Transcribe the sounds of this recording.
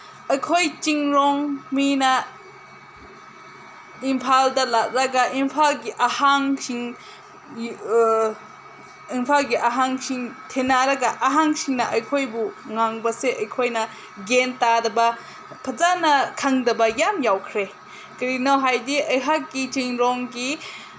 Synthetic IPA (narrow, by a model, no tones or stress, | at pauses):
ɐjkʰojt͡ʃiŋɾɔŋminɐ | impʰaldɐlak̚ɾaɡaʔimpʰalɡiʔɐhaŋsiŋ | impʰalɡiʔɐɦaŋsiŋtʰenaɾɐɡɐʔɐɦaŋsiŋnɐʔɐjkʰojbuŋaŋbɐseʔɐjkʰojnɐ | ɡentadɐbɐ | pʰɐzanɐkʰaŋdɐbɐjamjawkʰɾe | kɐɾinawɦajdiɐjɦak̚ɡit͡ʃiŋɾɔŋɡi